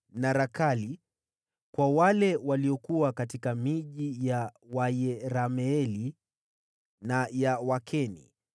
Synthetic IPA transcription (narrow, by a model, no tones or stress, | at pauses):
naɾakali | kwawalɛwaliɔkuwakatikamiʄijawajɛɾamɛɛli | najawakʰɛnḭ